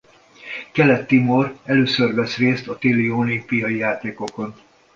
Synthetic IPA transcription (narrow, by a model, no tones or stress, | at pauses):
kɛlɛt̪ːimo̞rɛløːsørvɛsreːst̪ɒt̪elioːlimpijɒjijaːt̪eːko̞ko̞n